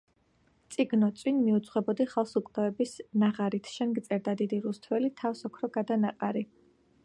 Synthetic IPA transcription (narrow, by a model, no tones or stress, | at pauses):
t̪sʼiɡnɔt̪sʼwinmiut̪sʰʼχwɛbɔd̪iχalˠsukʼd̪̥aɛbisnaʁaɾit̪ʰʃɛnɡt̪sʼɛɾd̪ad̪id̪iɾust̪ʰvɛlit̪ʰafsɔkʰɾɔɡad̪anaqʼaɾi